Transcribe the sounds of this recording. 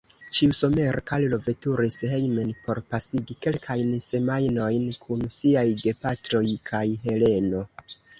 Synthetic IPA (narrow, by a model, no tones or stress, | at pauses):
t͡ʃiuso̞me̞ɾkallo̞ve̞tuɾishe̞jmenpo̞ɾpasiɡike̞lkʰajnse̞majno̞jnkʰunsiajɡe̞patɾo̞jkʰajɦe̞le̞no̞